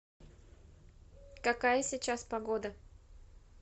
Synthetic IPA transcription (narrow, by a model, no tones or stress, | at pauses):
kɐkajəsʲɪt͡ɕaspɐɡod̪ə